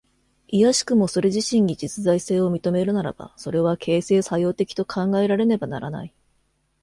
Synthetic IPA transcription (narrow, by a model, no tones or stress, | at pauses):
ijaɕi̥kɯ̟mo̞so̞ɾe̞ʑiɕĩɲ̟ːid͡ʑit͡sɨzaise̞ːo̞mʲit̪o̞me̞ɾɯ̟naɾa̰b̥a̰so̞ɾe̞β̞akʰe̞ːse̞ːsajo̞ːt̪e̞kʲi̥t̪o̞kʰãŋɡae̞ɾaɾe̞ne̞banaɾana̰i